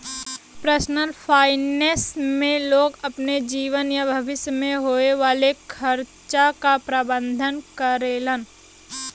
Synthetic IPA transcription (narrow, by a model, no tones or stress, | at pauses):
pɾəsnəlfʰaːɪnesmẽloːɡɐpned͡ʒiːʋənjabʱɐʋɪsjəmẽɦoːeʋaːlekʰəɾt͡ʃakapɾabə̃nd̪ʱənkəɾeːlən